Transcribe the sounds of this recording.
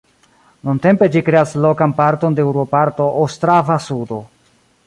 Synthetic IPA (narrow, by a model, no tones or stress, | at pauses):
nunte̞mpe̞d͡ʒikɾe̞aslo̞kanpaɾto̞ndeewɾopaɾto̞ʔostɾavasudo̞